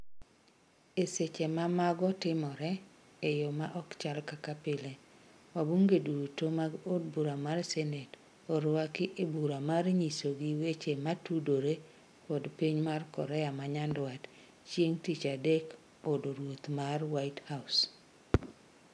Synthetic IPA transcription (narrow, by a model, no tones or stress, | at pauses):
eset͡ʃemamaɡɔtɪmɔɾɛ | ejomaʔɔkt͡ʃalkakapɪlewabuŋɡedutomaɡodbuɾamarsenet | oɾwakɪʔebuɾamarɲisoɡiwet͡ʃematudoɾe | pɔdpiɲmarkɔ̰ɾɛamaɲandwat | t͡ʃjeŋtit͡ʃadek | bodoɾwot̪marwaithaʊs